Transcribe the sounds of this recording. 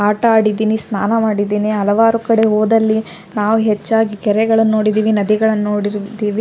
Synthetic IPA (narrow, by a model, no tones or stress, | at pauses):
aːʈɐaːɽid̪iːnisnaːnɐmaːɽid̪iːniɦɐlɐʋaːɾukɐɽe̞ɦoːd̪ɐlːi | naːʋuɦet͡ʃːaːɡikɛɾɛɡɐɭɐnːo̞ːɽid̪iːʋinɐd̪iɡɐɭɐnːoːɽiɾd̪iːʋi